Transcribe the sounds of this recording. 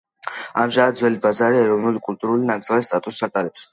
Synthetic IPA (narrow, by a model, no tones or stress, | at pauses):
amʒamad̪d̪zwɛlibazaɾiɛɾɔvnulikʼult̪ʼuɾulinaɡd̪zɛlˠɛst̪ʼat̪ʼust͡ʃat̪ʼaɾɛps